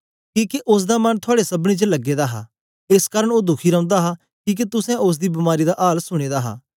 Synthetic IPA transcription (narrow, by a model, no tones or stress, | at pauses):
kiːkeʔʊsd̪aːmɐnt̪ʰʊaːɽesəbɽiːt͡ʃələɡːeːd̪aːɦa̰ː | eskaːɾəɽ̃oːd̪ʊkʰiːɾɐ̃ʊ̃nd̪aːɦa | kĩːk̬et̪ʊsɛ̃ʔʊs̬d̪iːbɐmaːɾid̪aʔaːlsʊɽ̃eːd̪aːɦa̰ː